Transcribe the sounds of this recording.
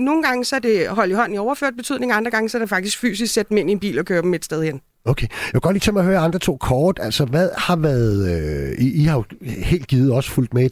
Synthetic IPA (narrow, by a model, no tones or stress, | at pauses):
no̝ːn̩ɡ̥ɑ̈ŋəsɒæd̥e̝ɦɒ̽ljhɒ̽n̰niɒʊɐfø̰ɐ̰d̥̚b̥e̝t͡sʰyð̰ˠne̝ŋɑ̈nd̥ʁɐɡ̥ɑ̈ŋəsɒɾ̥efɑ̈ɡ̥d̥isɡ̥fy̰ːsisɡ̥sed̥̚d̥m̩e̝n̰ienb̥ḭːlɒ̽kʰøːɐb̥meed̥sd̥eð̞ˠien | okʰejæ̥ɡ̥ɒ̽dliːt͡sʰemɑhøːɐɑ̈nd̥ʁɐt͡sʰo̝̰ːkʰɒːd̥æl̰sɒʋæðˠhɑ̈ʋæːɐðˠøiihɑ̈jo̝he̝̰ːld̥̚ɡ̥iːð̩ˠɒ̽sə̥ful̰d̥mee